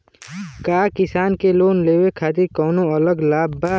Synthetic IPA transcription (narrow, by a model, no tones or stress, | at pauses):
kaːkɪsaːnkeloːnleːwekʰaːt̪ɪɾkɔːnõələɡlaːbːa